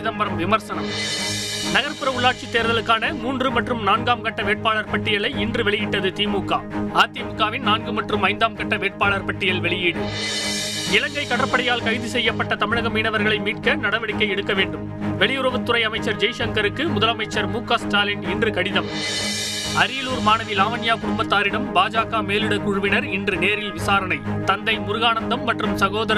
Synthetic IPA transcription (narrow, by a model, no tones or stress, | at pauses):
ɪðɐmbɐɾɐmʋɪmɐɾsɐnɐm | nɐɣɐɾpɯɾɐʊɭːaːʈ̚t͡ʃit̪ːeːɾðɐlɯkːaːnɐmuːndrɯmɐʈrɯmnaːnɡaːmkɐʈːɐʋeːʈ̚paːɭɐɾpɐʈːɪjɐlɐɪɪndrɯʋɛɭɪjɪʈːɐðɯt̪iːmuːkːaːaːt̪iːmuːkːaːʋɪnnaːnɡɯmɐʈrɯmɐɪnd̪aːmkɐʈːɐʋeːʈ̚paːɭɐɾpɐʈːɪjɐlʋɛɭɪjiːɽɯ | nɪlɐŋɡɐɪkːɐɽɐɾpːɐɽɪjaːlkɐɪðɯsɛjːɐpːɐʈːɐt̪ɐmɪɻɐɣɐmiːnɐʋɐɾɣɐɭɐɪmiːʈ̚kɐnɐɽɐʋɐɽɪkːɐɪɛɽɯkːɐʋeːɳɖɯm | ʋɛɭɪjʊɾɐʋɐt̪ːʊɾɐɪɐmɐɪt͡ʃːɐɾd͡ʒɛɪʃɐŋkɐɾɯkːɯmʊðɐlɐmɐɪt͡ʃːɐɾmuːkaːsʈaːlɐnɛndrɯkɐɽɪðɐm | ɐɾijluːɾmaːnɐʋɪlaːʋɐnɪjaːkʊɾɯmbɐt̪ːaːɾɪɽɐmbaːd͡ʒaːkaːmeːlɯɽɐkʊɻɯʋɪnɐɾɪndrɯneːɾɪlʋɪsaːɾɐnɐɪt̪ɐnd̪ɐɪmʊɾɯɣaːnɐnd̪ɐmːɐʈrɯmsɐɣoːðɐɾ